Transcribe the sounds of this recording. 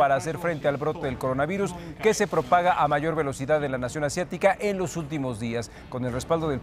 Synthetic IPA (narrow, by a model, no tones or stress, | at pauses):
aɾaːs̬e̞ɾfɾe̞nt̪e̞alβɾo̞t̪e̞ðe̞lko̞ɾo̞naβiɾuske̞se̞pɾo̞paɣaʔamaʝo̞ɾβe̞lo̞siðaðenlanasjo̞nasjat̪ikaʔe̞nlo̞sult̪imo̞zðias | ko̞nelre̞spald̪o̞ðel